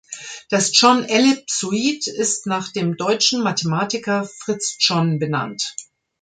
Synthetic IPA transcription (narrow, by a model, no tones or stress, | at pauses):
d̥asd͡ʒɔnʔɛlɪp̚suiːtɪstnaːχd̥eːmdɔʏt͡ʃn̩matʰemaːtɪkɐfʁ̥ɪt͡sd͡ʒɔnbəna̰nt